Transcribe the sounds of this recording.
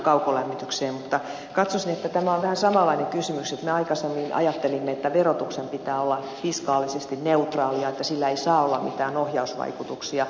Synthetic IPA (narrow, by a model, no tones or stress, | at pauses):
kɑukolæmːit̪ykseːmmut̪ːɑ | kɑt̪sosinet̪ːæt̪æmæoʋʋæhæsɑmɑlːˑɑineŋkysymykset̪meɑikɑsemːinʔɑ̰jɑt̪ːelimːeet̪ːæʋerot̪uksempit̪æːolːɑ | fiskɑːlisest̪inneut̪rɑːliɑet̪ːæsilːæeisɑːolːɑmmit̪æːnohjɑusʋɑ̰ikut̪uksiɑ